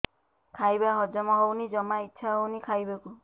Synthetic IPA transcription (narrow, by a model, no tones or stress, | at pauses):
kʰajbaɦɔd͡ʒɔmɔɦownid͡ʒɔmaitːʃʰaɦownikʰajbaku